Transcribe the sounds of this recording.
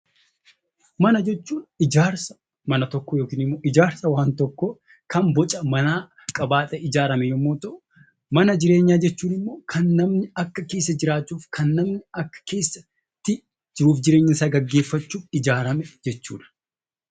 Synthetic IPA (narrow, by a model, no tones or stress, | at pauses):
mɐnɐd͡ʒɛt͡ʃːuːᶑɪd͡ʒaːɾsɐ̥ | mɐnɐt̪ɔkːɔjoːkiːnɪmːoːʔɪd͡ʒaːɾsɐwaːnt̪ɔkːo | kɐmbɔt͡ʃʼɐmɐnaː | kʼɐbaːt̪ʼɛɪd͡ʒaːɾɐmɛjɔmːoːt̪ɐʔʊ | mɐnɐd͡ʒɪɾe̞ːɲːaːd͡ʒɛt͡ʃːuːnɪmːo̞ːkʰɐnːɐmnɪɐkːɐke̞ːs̬ːɐd͡ʒɪɾaːt͡ʃːuːfkʰɐnːɐmnɪɐkːɐ̥ke̞ːsːɐ | t̪ːɪ | d͡ʒɪɾuːfd͡ʒɪɾe̞ːɲːɪnsaːɡɐɡːe̞ːfːɐt͡ʃːuːfɪd͡ʒaːɾɐmɛd͡ʒɛt͡ʃːuːᶑɐ̥